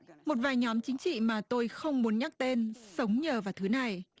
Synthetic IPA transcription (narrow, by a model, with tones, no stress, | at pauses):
mo˨˩t̚vaː˨˩jɲɔ˨˦mt͡ɕï˨˦ŋ̟t͡ɕḭ˧˨maː˨˩t̪o˧jxə˧wŋ͡mmu˨˦ənɲa˦˥k̚t̪e˧nsə˨˦wŋ͡mɲəː˨˩vaː˨˩wt̪ʰɨ˨˦na˨˩j